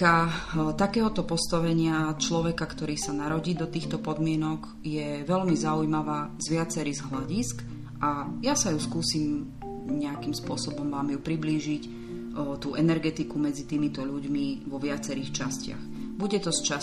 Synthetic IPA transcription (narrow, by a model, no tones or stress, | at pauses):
at̪akɛːɦɔt̪ɔpɔst̪aʋɛɲɪat͡ʃlɔʋɛkakt̪ɔɾiːsanaɾɔɟiːd̪ɔt̪iːxt̪ɔpɔd̪mɪɛnɔɡ | jɛʋɛʎmizaujmaʋaːzʋɪat͡sɛɾiɣzɦlaɟisk | ʔajasajuskuːsiːm | ɲɛakimspʊɔsɔbɔmʋaːmjupɾibliːʒic | t̪uːʔɛnɛɾɡɛt̪ikumɛd͡zit̪iːmit̪ɔʎuɟmiʋɔʋɪat͡sɛɾiːxt͡ʃascɪa̰x | buɟɛt̪ɔst͡ʃa